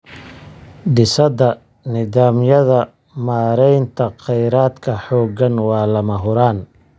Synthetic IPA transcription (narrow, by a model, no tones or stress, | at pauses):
ɖɪsɐðɐ | nɪðaːmjɐðɐ | maːɾɛjnt̪ʰɐqɛjɾaːd̪kʰɐħɔːɡɐnwɑːlɐmɐɦʊɾaːn